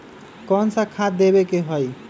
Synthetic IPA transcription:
kɔnsãkʰad̪ebekeɦoj

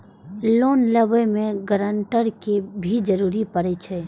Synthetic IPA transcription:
loːnləbemẽɡəɾəɳʈəɾkebʱid͡ʒəɾuːɾipəɾet͡ʃʰɛː

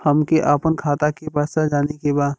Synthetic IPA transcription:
hɐmkeʔaːpənkʰaːt̪akebəːsad͡ʒaːnekebaːd̪

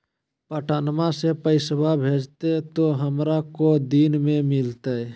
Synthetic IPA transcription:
pəʈʰaːnmasepəɪsbabʱeːd͡ʒt̪et̪oɦəmɾakod̪iːnmẽmɪlt̪e

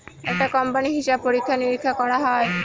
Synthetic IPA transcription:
ɛk̚ʈakɔmpaniɦiʃab̚ʱpoɾikʰːaniɾikʰːakɔɾaɦɔe

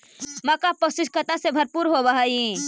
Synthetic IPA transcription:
mɐkaposɪʃkət̪asebʱɐɾpuːɾɦobaɦai

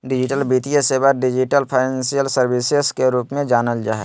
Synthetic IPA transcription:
ɖɪd͡ʒɪʈəlbit̪ijesebaɖɪd͡ʒiʈəlpʰaɪnẽnsijəlsəɾbiseskeɾuːpmẽd͡ʒaːnəld͡ʒa̰ːɦɛ̰

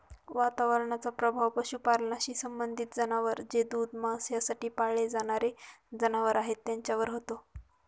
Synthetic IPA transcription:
ʋat̪aʋəɾɳ̃at͡sapɾəbʱaʋpəɕuːpaɾnaɕiːsəmbənd̪ʱit̪̚d͡zənaʋəɾd͡zed̪ud̪masjasaʈiːpaɭed͡zaɽ̃aɾed͡zənaʋəɾaɦet̪ːjaɲt͡ɕjaʋəɾɦot̪o

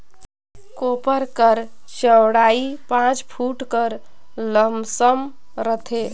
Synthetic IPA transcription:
kopəɾkəɾ | səwɽaipãt͡ʃpʰuʈkəɾ | ləmʱsəm | ɾət̪ʰe

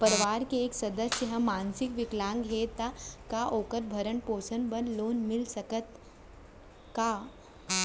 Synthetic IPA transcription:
pəɾʋaɾkeeksɐd̪əsjəɦəmansikʋiklãŋɡɦet̪akaʔoːkəɾbʱəɾəɳpoːsənbənloːnmilsəkət̪ | ka

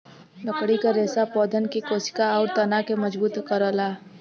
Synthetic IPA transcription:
lɐkɽikaɾeːsapɔːd̪ʱənkikoːsɪ̥kaɔːɾt̪ɐnakemɐd͡ʒbuːt̪kəɾəːlaː

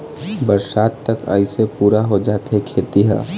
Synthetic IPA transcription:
bəɾsaːt̪ːəkə̰ɪsepuːɾaɦod͡ʒaːt̪ekʰeːt̪iɦə̰

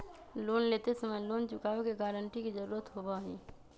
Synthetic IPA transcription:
loːnleːt̪esəməjloːnt͡ʃʊkaːokeɡaːɾəɳʈikid͡ʒəɾuːɾət̪ɦoːbaɦiː

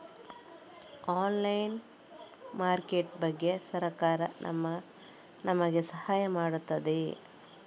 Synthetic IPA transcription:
aːnlɐjn | maːɾkeʈbɐɡːe̞sɐɾɐkaːɾɐ̰nɐ̰mɐ | nʔɐmɐɡesɐhaːjɐmaːɽut̪ːɐd̪e

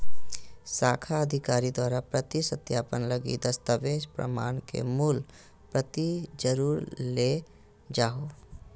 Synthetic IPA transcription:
saːkʰaəd̪ʱɪkaːɾid̪waːɾapɾət̪isət̪jaːpənləɡḭd̪əst̪əʋeːʃpɾə̰ma̰ːnkḛmuːl | pɾət̪id͡ʒəɾuːɾle | d͡ʒaːɦoː

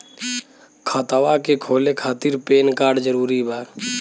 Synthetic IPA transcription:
kʰət̪awakekʰoːlekʰaːt̪iɾpeːnkaːɾɖd͡ʒəɾuːɾibaːɾ

